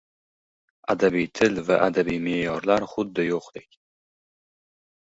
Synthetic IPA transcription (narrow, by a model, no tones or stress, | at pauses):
ad̪abijt̪ʰɪlvaʔad̪abijmejɒɾlaɾχʊd̪ːɪjoqd̪ekʲ